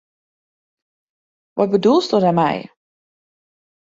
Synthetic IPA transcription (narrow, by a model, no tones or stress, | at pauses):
ʋɔ̰t̚bədulˠstɔdamɛ̰j